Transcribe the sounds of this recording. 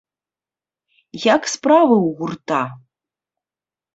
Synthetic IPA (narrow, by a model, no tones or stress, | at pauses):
jakspravɨwɣurt̪a